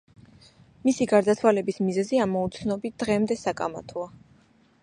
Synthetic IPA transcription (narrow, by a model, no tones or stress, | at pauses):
misiɡaɾd̪at̪sʰwalɛbismizɛziamɔut̪sʰnɔbit̪̚d̪̥ʁɛmd̪ɛsakʼa̰ma̰t̪ʰɔa